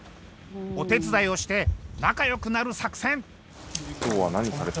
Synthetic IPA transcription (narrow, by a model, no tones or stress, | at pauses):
o̞t̪e̞t͡sɨd̪aio̞ɕi̥t̪e̞nakajo̞kɯ̟naɾɯ̟sakɯ̟̥sẽ̞ɴ | t̪oːβanaɲ̟isaɾet̪